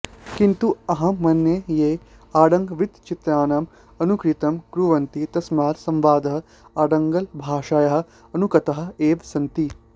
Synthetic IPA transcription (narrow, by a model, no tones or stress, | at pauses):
kint̪uɐɦɐ̃mɐnːjejeː | aːɖɐŋɡʋid̪t͡ʃit̪ɾaːnɐm | ɐnukɾit̪ɐmkɾuʋɐnt̪it̪ɐsmaːɾsɐ̃mʋaːd̪ɐɦɐ̆ | aːɖɐŋɡɐlbʱaːʃaːjɐɦɐ̆ | ɐnukɐt̪ɐɦɐ̆eːʋsɐnt̪i